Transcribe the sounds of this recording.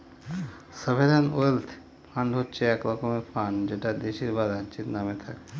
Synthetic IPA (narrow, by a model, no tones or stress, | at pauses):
səbʱeɾanolt̪ʰ | pʰãɳɖɦot̚t͡ʃʰeɛklakomepʰaɳd͡ʒeʈad̪eʃiɾbad̪ãt͡ʃit̪namet̪ʰak